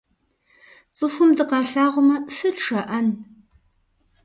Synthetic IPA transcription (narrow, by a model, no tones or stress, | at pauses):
t͡sʼɨxʷʊmdɨqɑːɬaːʁʷʊmɐsɨɮʈ͡ʂʰɐʔɐn